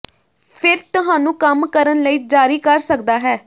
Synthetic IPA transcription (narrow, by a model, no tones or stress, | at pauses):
pʰɪɾt̪ʊɦaːnũːkəmkəɾənləiːd͡ʒaːɾiːkəɾsəkd̪aːɦɛː